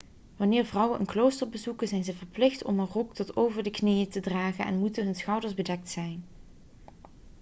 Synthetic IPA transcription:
ʋɑnɪːɹvrʌwənʔənklowstəɹbəzukənzɛjnzəvəɹplɪxtɔmənrɔktɔtowvəɹdəknejətədraːχənɛ̰nmutənɦɵnsχɑwdəɹzbədɛk̚tsɛjn

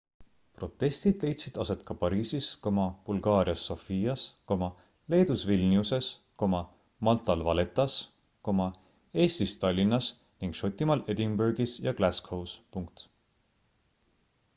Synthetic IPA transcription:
pro̞t̪ˑːe̞st̪id̪̥le̞jt̪sid̪̥ɑse̞t̪kɑpɑɾiːsisko̞mɑb̥ulɡɑːɾiɑsːo̞fiːɑsko̞mɑ | le̞ːd̪̥usvilʲniuse̞s | ko̞mɑ | mɑlt̪ːˑɑlvɑle̞t̪ːˑɑs | ko̞mɑ | e̞ːst̪ist̪ɑlʲːinːɑs | niŋɡ̥ʃo̞t̪ʲːˑimɑle̞d̪imberɡisjɑklæskhowspuŋk̚t̪

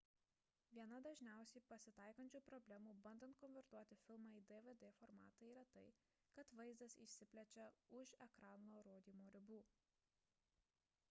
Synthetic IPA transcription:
ʋʲiɛnɐd̪ɐʒʲnʲæˑʊsʲɛɪpɐsʲɪt̪ɑˑɪkɐnʲt͡ʃʲuːpɾɔbʲlʲɛmuːbɐnd̪ɐnt̪̚kɔnʲʋʲɛɾt̪uɔt̪ʲɪfʲɪlˠmɑːiːd̪ɛʋed̪eːfɔɾmɑ̰ːt̪ɐiːɾɐt̪ɐɪ | kɐt̪ʋɐɪzd̪ɐsḭʃʲsʲɪpʲlʲɛt͡ʃʲɛʊʃɛkɾɑːnoːɾoːd̪ʲiːmoːɾʲɪbuː

